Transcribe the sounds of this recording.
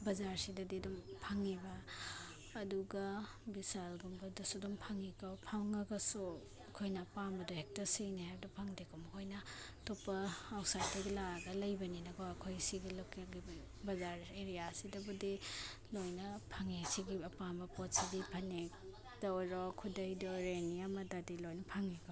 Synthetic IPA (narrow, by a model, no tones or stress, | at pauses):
bɐzaɾsidɐdidumpʰaŋibɐː | duɡɐ | bisalɡumbɐdusudumpʰaŋikʰawpʰawŋɐɡɐsu | ɐkʰojnɐpambɐduhek̚tɐsinihajbɐdupʰaŋdekʰomɐkʰojnɐ | topːɐawsajdɐɡilaɡɐlɐjbɐninɐɡɔɐkʰojsiɡilokeɡi | bɐzaɾeɾijasidɐbudilojnɐpʰaŋesiɡiɐpambɐpot̚sidipʰɐnek̚ | dɔwɾɔkʰudɐjdɔɾeniamɐdadilojnɐpʰaŋikʰa